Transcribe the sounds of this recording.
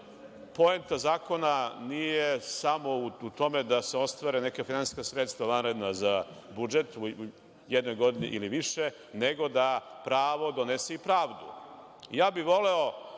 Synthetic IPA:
po̞emt̪azaːko̞nanijesamo̞uut̪o̞med̪aseo̞st̪ʋaɾenekafinani̥skasɾet̪st̪ʋaʋanɾed̪naza | bud͡ʒet̪u | jɛd̪no̞jɡo̞d̪inḭʔiliʋiʃe | neɡo̞d̪apɾaːʋo̞d̪oneseipɾaːʋd̪ṵ | jaːbiʋo̞leo

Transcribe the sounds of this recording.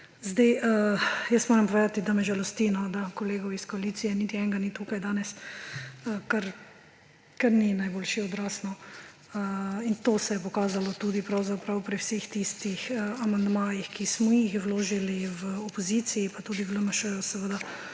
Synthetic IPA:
zd̪ajʔəjəst̪moːɾɛmpɔʋeːd̪at̪id̪amɛʒɛlɔst̪inɔd̪akɔleːɡɔwiskɔaliːt̪sijɛnit̪iɛŋɡanit̪ukajd̪aːnɛs | əkaɾ | kaɾninajboːlʃiɔd̪ɾaːsnɔ | əint̪oːsɛjɛpɔkaːzalɔt̪uːd̪ipɾawzapɾawpɾiwsext̪ist̪ixəamand̪maːjixkismɔjixwloːʒiliwɔpɔzit̪siːpat̪uːd̪iwləmɐʃəjɔsɛʋəd̪a

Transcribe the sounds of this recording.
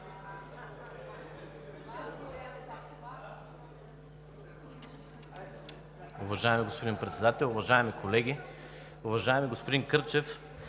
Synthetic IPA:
ʊvɐʒaɛmiɡospod̪inpɾɛt̪sɛd̪at̪ɛlˠʊvɐʒaɛmikolɛɡʲi | ʊvɐʒaɛmiɡospod̪inkɤɾt͡ʃɛf

